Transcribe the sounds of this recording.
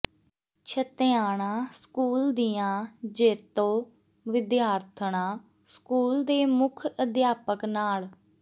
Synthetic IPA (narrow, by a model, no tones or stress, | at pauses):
t͡ʃʰət̪eaːɳ̃aːskuːld̪ijãːd͡ʒeːt̪õː | ʋɪd̪jaːɾt̪ʰəɳãː | skuːld̪eːmʊkʰəd̪jaːpəknaːl